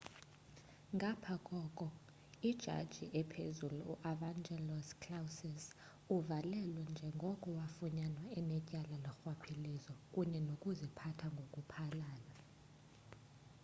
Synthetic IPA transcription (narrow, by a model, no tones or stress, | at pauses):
ŋɡʱapʰakʼɔkʼɔ | id̥ʒ̥ʱa̰d̥ʒ̥ʱiʔɛpʰezuluṵʔavaŋd͡ʒɛlɔskʰlawsɛs | uvalɛlwɛnd͡ʒʱɛŋɡʱɔkʼɔwafuɲanwaɛnɛcʼalalɔxwapʰilizɔkʼuɲɛnokʼuzipʰatʰaŋɡʱokʼupʰalaːla